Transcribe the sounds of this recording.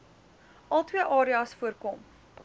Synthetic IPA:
ʔɐlˠtwiəʔɑːɾiɑsfuərkɔm

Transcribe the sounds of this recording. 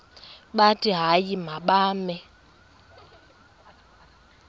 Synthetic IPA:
ɓatʼiɦajimaɓaːmɛ

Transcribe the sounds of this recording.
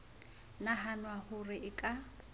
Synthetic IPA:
naɦanwahʊrɪʔɪkʼa

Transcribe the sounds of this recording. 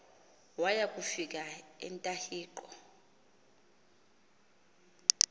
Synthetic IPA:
wajakʼufik̬aɛ̰ntʼahiːǃɔ

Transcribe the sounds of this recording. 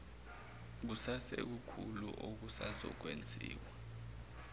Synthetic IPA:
k̬usasɛ̰k̬ukʰulṵʔok̬usasɔ̰k̬wend͡zʱḭːwa

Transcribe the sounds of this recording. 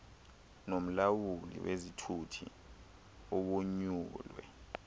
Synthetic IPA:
nom̩lawulḭwezitʰutʰḭ | ɔɓoɲuːlwɛ̰

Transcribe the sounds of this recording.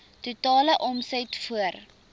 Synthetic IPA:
tutɑːləʔɔmsətfuər

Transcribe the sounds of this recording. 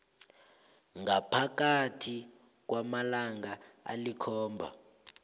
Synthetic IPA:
ŋapʰakatʰi | k̬wamalaŋɡaa̰likʰɔːmbʱa̰

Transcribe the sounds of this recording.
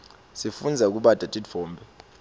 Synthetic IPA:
sifund͡zʱak̬uɓad̥ʱatʼidv̥ɔːmbʱɛ

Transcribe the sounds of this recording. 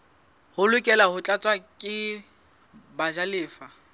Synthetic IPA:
hʊlʊkʼɛlahʊt͡ɬʼat͡sʼwakʼɪ | baʒalɪːfa

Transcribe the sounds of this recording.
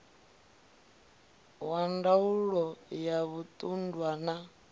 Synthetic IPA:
wandauɺɔjaβut̪ʼundwana

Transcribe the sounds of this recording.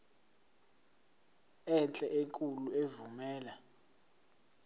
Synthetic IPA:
ɛnt͡ɬʼɛʔeŋkʼuluevumɛːla

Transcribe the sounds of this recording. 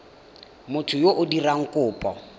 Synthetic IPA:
mʊtʰʊjoʔʊdiraŋ̩kʼʊːpʼɔ

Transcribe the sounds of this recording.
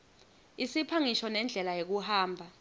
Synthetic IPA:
isipʰaŋiʃɔnɛnd͡ɮʱɛlajek̬uhaːmbʱa

